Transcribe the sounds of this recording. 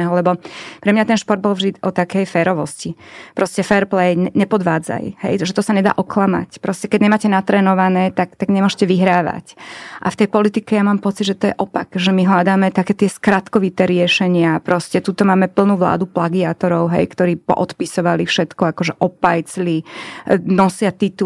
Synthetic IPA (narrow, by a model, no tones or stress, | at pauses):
ɛɦɔlɛbɔpɾɛmɲat̪ɛnʃpɔɾd̪̚bɔlˠvʒd̪iɔt̪akɛjfɛːɾɔʋɔscipɾɔscɛfɛɾplɛjɲɛɲɛpɔd̪ʋaːd͡za̰jhɛ̰jʒɛt̪ɔsaɲɛd̪a̰ːʔɔklama̰cpɾɔscɛkɛɟɲɛmaːcɛnat̪ɾɛːnɔʋanɛːt̪akt̪aɡɲɛmʊɔʃcɛʋiɦɾaːʋa̰cʔa̰ft̪ɛjpɔlit̪ikɛjamaːmpɔt͡sid̪ʒɛt̪ɔjɛʔɔpa̰kʒɛmiɦlad̪aːmɛt̪akɛːt̪ɪɛskɾat̪kɔʋit̪ɛːɾɪɛʃɛɲɪapɾɔscɛt̪uːt̪ɔmaːmɛpl̩nuːʋla̰ːd̪uplaɡiaːt̪ɔɾɔʊɦɛ̰jkt̪ɔɾiːpɔ̰ʔɔt̪pisɔʋalifʃɛt̪kɔakɔʒɛʔɔpajt͡sli | nɔsɪat̪it̪u